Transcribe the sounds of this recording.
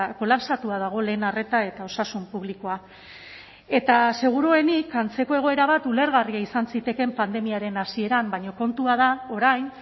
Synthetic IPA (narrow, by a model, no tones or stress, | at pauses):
ko̞lapsat̪uað̞aɣ̞o̞le̞ːnare̞t̪ae̞t̪ao̞sasumpuβ̞liko̞a | e̞t̪ase̞ɣ̞uɾoe̞nikant͡se̞ko̞e̞ɣ̞o̞e̞ɾaβ̞at̪ule̞ɾɣariaisansit̪e̞ke̞mpand̪e̞miaɾe̞nasie̞ɾambajɲo̞ko̞nt̪uað̞ao̞ɾajn